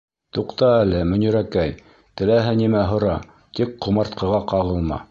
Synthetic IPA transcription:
t̪uqt̪ɑælɘmɵ̆nɵ̆ɾækæj | t̪ɘ̆læɦɘnimæɦŏɾɑ | t̪ik̚qːŏmɑɾt̪qʰɤ̆ʁɑqɑʁɤ̆lˠmɑ̰

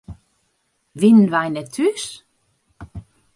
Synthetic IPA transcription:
ʋinʋajnɛt̪ʰys

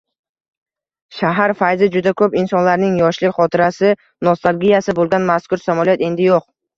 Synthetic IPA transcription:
ʃaɦaɾfajzɪd͡ʒʊd̪akʰɵpɪnsɒnlaɾnɪŋjɒʃlɪχɒt̪ʰɪɾasɪ | nost̪ʰalˠɡʲijasɪbolˠɡʲanmaskʰʊɾsamɒlˠjat̪e̞nd̪ɪjoq̚

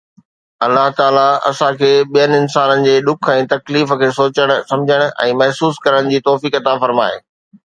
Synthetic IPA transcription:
ɐlːaɦt̪aːlaɐ̰sãkʰeːɓijənɪɪnsaːnənɪ̆d͡ʑeːɗ̪ʊkʰɛ̃ːt̪ɐkliːf̆kʰeːsoːt͡ɕəɽ̃ʊ̆sɐ̃md͡ʑʱəɽ̃ʊ̆ɛ̰̃ːmɛɦsuːskɐɾəɽ̃d͡ʑiːt̪ɔːfiːkɐt̪afɐɾma̰ːeː

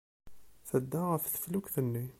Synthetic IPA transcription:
θəd̪ːæʁəfθə̥flukθənːi

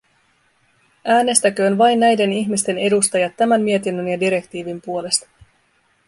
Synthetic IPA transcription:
ʔæːne̞st̪æk̟ø̞ːnʋɑjnːæjde̞niçmist̪e̞ne̞dust̪ɑjɑt̪ːæmænmie̞t̪inːønjɑdiɾe̞kt̪iːʋimpuo̞le̞st̪ɑ̥

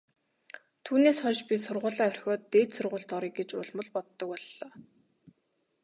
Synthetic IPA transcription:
t̪ʰuːneːsχɔʃpʲisʊrʁʊːɮaːɵr̥ʲxʲɔːt̪ːeːt̪sʊrʁʊːɬt̪ɔɾiːk̚ɡet͡ɕʊ̰ɮmə̆ɮpɔt̪ːɞ̆k̚pɔɮːɔː

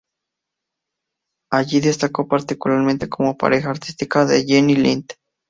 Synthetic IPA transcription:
aʝiðest̪akopaɾt̪ikulaɾment̪ekomopa̰ɾexaːɾt̪ist̪ikaðejenilint̪

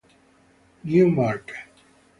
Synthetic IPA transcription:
njumaɾk

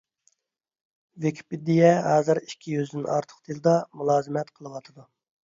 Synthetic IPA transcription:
vekʰʲi̥pɪd̪ijɛɦɑːzɨɾikʲʰːijyzd̪ɪnɑ̰ɾt̪ʰə̥qd̪ʰilˠɨd̪ɑmulˠɑːzɨmɛt̪qʰəlˠɨwɑt̪ʰɨd̪u

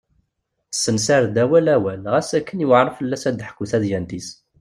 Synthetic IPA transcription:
sːənsaɾd̪æwælæwælʁæsækːənjuʕɾˤəfəlːæsæd̪ħkːuθæðjænt̪is

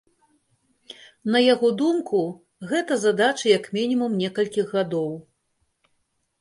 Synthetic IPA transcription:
nɐjaɣɔd̪umku | ɣɛt̪ɐzad̪at͡ʃɐjɐkmʲinʲimumnʲɛkɐlʲkʲiɣːad̪ɔw

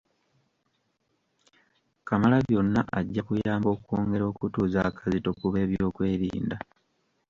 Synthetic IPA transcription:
kamalaβjo̞nːaʔaɟːakujaːmbo̞ːkwoːŋɡe̞ɾo̞ːkutuːzakʰazito̞kuβe̞ːβjo̞ːkwe̞ːɾḭːnda

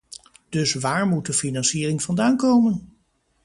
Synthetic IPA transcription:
d̥ɵsʋaːɹmut̚dəfinɑnsiːrɪŋvɑndaːnkowmən

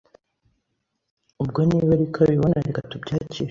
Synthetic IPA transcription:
ub̚ɡoniːβaɾikʰaβiβonaɾikatubɟaːcʰiːɾ

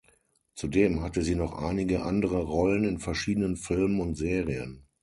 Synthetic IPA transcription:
t͡sudeːmhatəziːnɔχʔa̰ɪnɪɡəʔandəʁəʁɔlənɪnfɛɐʃiːdənənfɪlmənʊntz̥eːʁiə̰n

